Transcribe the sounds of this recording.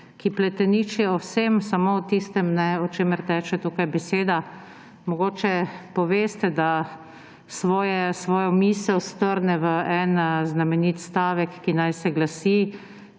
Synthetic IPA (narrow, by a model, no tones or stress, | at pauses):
kiplɛt̪ɛnit͡ʃjɛɔwsemsamowt̪ist̪ɛmnɛɔt͡ʃeːməɾt̪ɛːt͡ʃɛt̪uːkajbɛseːd̪a | mɔɡoːt͡ʃɛpɔʋeːst̪ɛd̪a | sʋɔːjɛsʋɔːjɔmiːsɛwst̪əɾnɛʋəɛnznamɛniːt̪st̪aːʋɛkːinajsɛɡlasi